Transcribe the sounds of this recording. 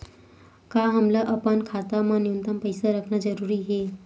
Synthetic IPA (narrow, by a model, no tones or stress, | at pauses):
kaɦəmlaʔəpənkʰat̪amanjunt̪əmpəjsaɾəkʰnad͡zəɾuɾiɦe